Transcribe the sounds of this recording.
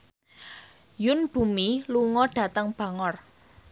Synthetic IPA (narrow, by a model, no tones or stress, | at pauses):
jʊnb̥ṳmiluŋɔɖ̥a̤t̪əŋb̥ä̤ŋɔr